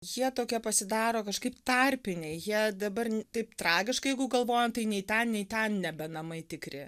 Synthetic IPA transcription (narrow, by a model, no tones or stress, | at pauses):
jiɛt̪oːkʲiɛpɐsʲɪd̪ɑːɾoːkɐʃkɐɪpt̪ɐrʲpʲɪnʲɛɪjiɛd̪ɐbɐrnt̪ɐɪpt̪rɑːɡʲɪʃkɐɪjɛɪɡʊɡɐlˠʋoːjɛmt̪ɐɪnʲɛɪt̪ʲɛnnʲɛɪt̪ʲɛnnʲɛbʲɛnɐmɐɪt̪ʲɪkɾʲɪ